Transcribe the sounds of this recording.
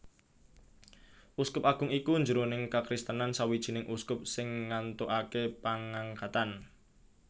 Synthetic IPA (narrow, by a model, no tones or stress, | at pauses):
ʔuskʊpaɡ̥ʊŋikund͡ʒuɾonɪŋkakɾɪst̪ənansawid̥ʒ̥i̤nɪŋʔuskʊp̚sɪŋːant̪oʔakepaŋaŋkat̪an